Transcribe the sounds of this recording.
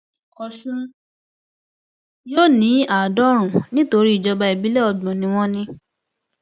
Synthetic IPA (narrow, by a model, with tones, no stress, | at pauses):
ɔ˧ʃũ˦ | joː˦nĩ˨˦a˦˨dɔ˦ɾ̃ũ˨nĩ˦to˧ɾi˦i˦˨d͡ʒɔ˧ba˧i˨bi˨˦lɛ˦ɔ˧˨ɡ͡bɔ̃˨nĩ˧w̃ɔ̃˦nĩ˧